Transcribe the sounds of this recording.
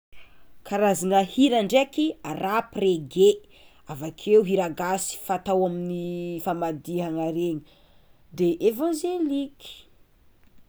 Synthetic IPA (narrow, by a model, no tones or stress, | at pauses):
kʰaɾazanəhiɾaɳɖ͡ʐekiarapreɡe | avakʰewɦiɾaɡasi̥fat̪awaminifamad̪iɦaŋaɾeɲi | d̪eʔevãʒeliki̥